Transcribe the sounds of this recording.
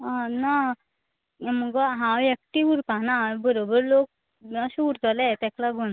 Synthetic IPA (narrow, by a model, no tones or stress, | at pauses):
ana | məɡʋaɦãwek̚ʈiʋuɾpanabəɾobəɾlok̚ | aɕuɾt̪alɛt̪ɛklaɡon